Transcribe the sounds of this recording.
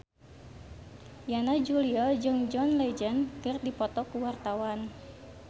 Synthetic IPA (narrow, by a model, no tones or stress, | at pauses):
janad͡ʒuliɔd͡ʒɨŋd͡ʒɔnled͡ʒənkɨrdipɔt̪ɔkuwart̪awan